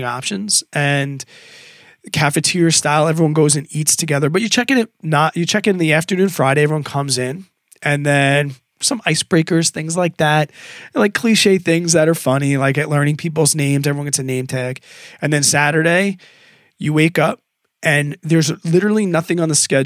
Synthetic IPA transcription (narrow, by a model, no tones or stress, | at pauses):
ŋɑ̰pʃɨ̃nz̥ʔɨ̃n | kʰæfɨtʰɪɹstaɪlˠɛvɹiwʌ̃nɡoʊzɨ̃nitstʰɨɡɛðə˞bʌt͡ʃə˞t͡ʃʰɛkɨ̃nɨt̚nəʔjə˞t͡ʃʰɛkɨ̃nðiæftə˞nʉ̃nfɹaɪɾeɪɛvɹiwʌ̃nkʰʌ̃mzɪ̃n | ʔɨ̃nðɨ̃n | sʌ̃maɪsb̥ɹeɪkə˞z̥θɪ̃ŋzlaɪk̚ðæt̚laɪkʰl̥iʃeɪθɪ̃ŋzðɨɾə˞fʌnilaɪkɨlɜ̃˞ñɪ̃ŋpʰip̬l̩ˠznẽɪ̃mzɛvɹiwʌnɡɛtsɨnẽɪ̃mtʰɛkɨ̃nðɨ̃nsæɾə˞ɾeɪ | jɨweɪkʌp̚ | ʔɨ̃nðə˞zlɪɾə˞l̩ˠinʌθɪ̃ŋə̃nðəskɛ